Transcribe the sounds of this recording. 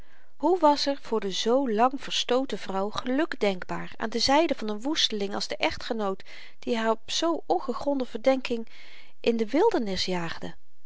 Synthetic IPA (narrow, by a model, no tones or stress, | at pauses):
ɦuʋɑsɛɹv̥ʊːɹdəzowlɑŋv̥əɹstowtəvrʌwχəlɵkdɛŋɡbaːɹa̰ːndəzɛjdəvɑnənʋustəlɪŋɑlzdəʔɛχtχənowt | d̥iɦaːɹɔpsowɔnχəχrɔndəvəɹdɛŋkɪŋ | ʔɪndəʋɪlˠdəɹnɪsjaːχdə